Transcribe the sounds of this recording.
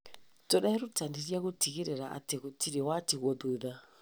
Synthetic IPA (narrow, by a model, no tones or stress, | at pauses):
tɔɗaiɾutandiɾiaɣutiɣiɾɛɾaʔa̰tɛɣutiɾiwatiɣɔðuða